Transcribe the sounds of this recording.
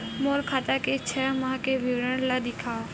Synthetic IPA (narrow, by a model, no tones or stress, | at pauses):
moːɾkʰaːt̪aket͡ʃʰɛmãkeʋiʋɾəɽ̃lad̪ɪkʰaː